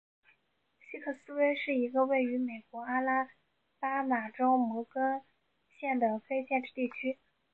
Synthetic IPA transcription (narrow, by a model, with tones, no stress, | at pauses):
ɕi˥kʰɤ˥˩sɹ̩˥we˥ɪʂɻ̩˥˩i˧˥ɡə˧we˥˩ɪy˧˥me˨˩ɪkwɔ˧˥a˥la˥ | pa˥ma˨˩ʈ͡ʂo˥ʊmɔ˧˥kə˥ŋ | ɕjɛ˥˩nd̪ə˩fe˥ɪɕjɛ˥˧nʈ͡ʂɻ̩˥˧t̪i˥˩t͡ɕʰy˥